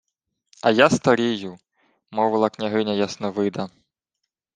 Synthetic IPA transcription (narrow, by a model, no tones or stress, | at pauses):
ɐjast̪ɐɾʲiju | mɔʋɨlˠɐknʲaɦɪnʲɐjasnɛʋɪd̪ɐ